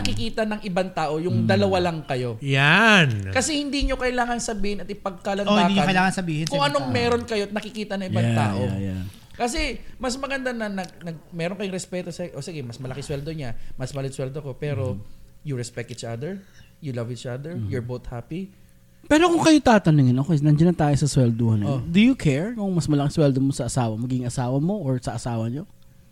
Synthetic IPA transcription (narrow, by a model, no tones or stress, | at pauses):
nɐkɪkiːt̪ɐnɐŋʔɪbaŋt̪aːʔo̞jʊŋd̪ɐlɐwalɐŋkɐjo̞jankɐsɛhɪnd̪iːɲo̞kɐʔɪlaːŋɐnsɐbiːhɪnɐt̪ɪpɐɡ̚kalɐɪaːdkɲɐkɐɪlaːŋɐnsɐbiːhɪnkʊŋʔɐnoŋmɛɾo̞nkɐjo̞ɐt̪̚nɐkɪkiːt̪ɐnɐŋɪbaŋt̪a̰ːʔo̞ | kɐsɛmɐsmɐɡɐnd̪anɐnɐɡnɐɡ̚mɛːɾoŋkɐjoŋɾɛspɛːt̪o̞sɐʔosɪɡɛmɐsmɐlɐkɪswɛld̪oɲamɐsmɐlɪswɛld̪oko̞pɛːɾo̞juɹɛspɛk̚t̪it͡ʃad̪ɛɹ | julɐvit͡ʃad̪ɛɹjɔɹbot̪hapi | pɛːɾokʊŋkɐjot̪aːt̪ɐnɪŋɪnɐkonɐnd͡ʒɐnɐnt̪aːjosɐswɛld̪ohɐnɛd̪ujʊkʰɛɹkʊŋmɐsmɐlɐkɪswɛld̪omosɐʔɐsaːwɐmɐɡiɪŋʔɐsaːwɐmo̞ʔoɹsɐʔɐsaːwɐɲo